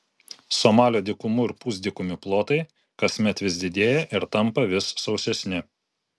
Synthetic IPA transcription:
somɑːlʲoːd̪ʲɪkʊmʊɪɾpuːz̬ʲd̪ʲɪkʊmʲɪplˠoːt̪ɐɪ | kɐsʲmʲɛt̪ʋʲɪsʲd̪ʲɪd̪ʲeːjɛʔɪɾt̪ɐmpɐʋʲɪsːɒʊsʲɛsʲnʲɪ

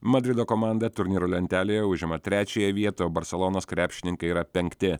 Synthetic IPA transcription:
mɐd̪ʲɾʲɪd̪oːkoːmɑˑnd̪ɐt̪ʊɾʲnʲiːɾolʲɛnʲt̪ʲæːlʲejɛʊʒʲɪmɐt̪ʲɾʲæːt͡ʃʲɛjɛʋʲiɛt̪oːjobɐɾʲsʲɛlˠoːnoːskɾʲæːpʲʃʲɪnʲɪŋkɐɪiɾɐpʲɛŋʲkt̪ʲɪ

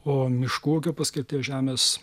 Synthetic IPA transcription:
oːmʲɪʃkuɔkʲopɐsʲkʲɪɾt̪ʲiːʒʲæːmʲeːs

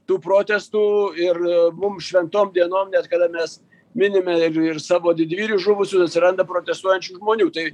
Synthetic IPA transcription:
t̪uːpɾoːt̪ʲɛst̪uːɪrmʊmʃʲʋʲɛnt̪oːmd̪ʲiɛnoːmnʲɛt̪̚kɐd̪ɐmʲɛs | mʲɪnʲɪmʲɛɪrɪrsɑːʋoːd̪ʲɪd̪ʲʋʲiːɾʲuʒʊʋʊsʲʊsɐt̪sʲɪɾɐnd̪ɐpɾoːt̪ʲɛst̪uɔjɛnʲt͡ʃʲuːʒmoːnʲuːt̪ɐɪ

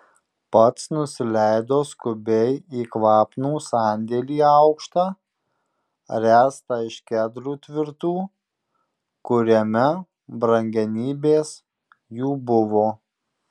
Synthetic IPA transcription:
pɐt̪snʊsʲɪlʲæɪd̪oːskʊbʲɛɪiːkʋɑːpnuːsɑːnʲd̪ʲeːlʲiːɑʊkʃt̪ɑː | ɾʲæːst̪ɑɪʃkʲæd̪ɾuːt̪ʲʋʲɪɾt̪uː | kʊɾʲɛmʲɛ | bɾɐŋʲɡʲɛnʲiːbʲeːs | juːbʊʋoː

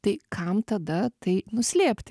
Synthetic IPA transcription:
t̪ɐɪkʰɐmt̪ɐd̪ɐt̪ɐɪnʊsʲlʲeːpʲt̪ʲ

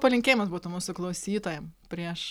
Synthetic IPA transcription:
pɐlʲɪŋkʲeːjɪmɐsbuːt̪ʊmuːsʊklˠɐʊsʲiːt̪oːjɛmpʲɾʲiɛʃ

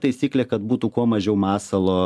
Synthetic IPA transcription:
t̪ɐɪsʲiːklʲeːkɐt̪̚buːt̪uːkuɔmɐʒʲɛʊmɑːsɐlˠoː

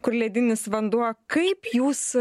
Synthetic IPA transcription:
kʊɾlʲɛːd̪ʲɪnʲɪsʋɐnd̪uɔjkɐɪpjuːs

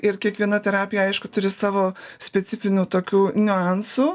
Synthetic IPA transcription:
ɪɾkʲiɛkʋʲiɛnɐt̪ʲɛɾɑːpʲɪjɛɐɪʃkʊt̪ʊɾʲɪsɑːʋoːsʲpʲɛtsʲɪfʲɪnʲuːt̪oːkʲuːnʲʊɑnsuː

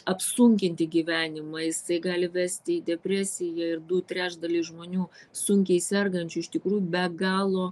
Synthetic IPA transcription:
ɐpsʊŋʲkʲɪnʲt̪ʲɪɡʲiːʋʲæːnʲɪmɑːjɪsɐɪɡɑːlʲɪʋʲæːsʲt̪ʲɪid̪ʲɛpʲɾʲæːsʲɪjɛɪrd̪ʊt̪ʲɾʲæːʒd̪ɐlʲiːsʒmoːnʲuːsʊŋʲkʲɛɪsʲɛrɡɐnʲt͡ʃʲʊɪʃt̪ʲɪkɾuːjubʲɛɡɑːlˠoː

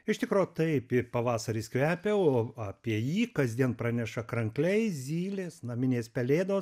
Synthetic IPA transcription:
ɪʃt̪ʲɪkɾoːjt̪ɐɪpɪpɐʋɑːsɐɾʲiːskʋʲæːpʲeoːɑːpʲiɛjiːkɐzʲd̪ʲiɛnpɾɑːnʲɛʃɐkɾɐŋklʲɛɪzʲiːlʲeːsnɐmʲɪnʲeːspʲɛlʲeːd̪oːs

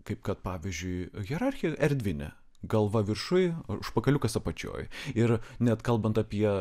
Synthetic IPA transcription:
kɐɪpkɐt̪̚pɑːʋʲizʲd͡ʒʲʊɪɣʲɛɾɑrʲxʲɪjɛʔɛɾʲd̪ʲʋʲɪnʲɛ̰ | ɡɐlˠʋɐʋʲɪrʃʊjʊʃpɐkɐlʲʊkɐsɐpɐt͡ʃʲo̰ːjɪɾnʲɛt̪kɐlˠbɐnt̪ɐpʲiɛ

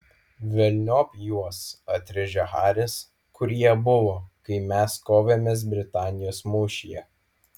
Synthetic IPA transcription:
ʋʲɛlʲnʲoːpʲjuɔsɐt̪ʲɾʲɪʒʲɛxɑːɾʲɪs | kʰʊɾʲiɛbʊʋoːkɐɪmʲɛskoːʋʲemʲeːs̬bʲɾʲɪt̪ɑːnʲɪjoːsmuːʃʲijɛ

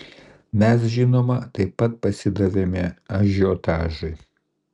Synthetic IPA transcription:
mʲɛs̬ʒʲɪnoːmɐt̪ɐɪpːɐt̪̚pɐsʲɪd̪ɐʋʲemʲɛɐʒʲoːt̪ɑːʒɐɪ

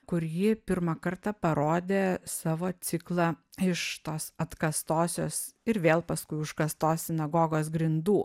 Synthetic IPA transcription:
kʊɾjiːpʲɪɾmɐkɐɾt̪ɑpɐɾoːd̪ʲeːsɑːʋoːsʲɪklˠɑɪʃt̪oːsɐt̪kɐst̪oːsʲoːsɪɾʋʲeːlˠpɐskʊɪʊʃkɐst̪oːssʲɪnɐɡoːɡoːs̬ɡɾʲɪnd̪uː

